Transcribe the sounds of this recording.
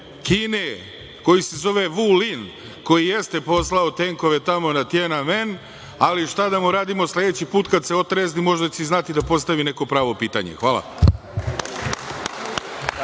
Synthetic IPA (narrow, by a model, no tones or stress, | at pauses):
kine | ko̞jisezo̞ʋeʋulin | ko̞jijest̪e̞po̞slaot̪eŋko̞ʋet̪amo̞nat̪jenamen | aliʃt̪ad̪amuɾaːd̪imo̞sled̪et͡ɕipuːt̪kad̪seo̞t̪ɾeznimo̞ʒd̪aiznat̪id̪apo̞st̪aʋine̞ko̞pɾaːʋo̞piːt̪aɲḛxʋaːla̰